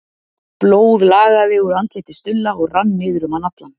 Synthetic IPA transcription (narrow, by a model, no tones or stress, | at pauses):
ploːwðlaːɣaðɪɣɔɾant̪lejt̪ɪ̥st̪ʏlːaɔɣranːɪːðʏɾʏmanat̪lan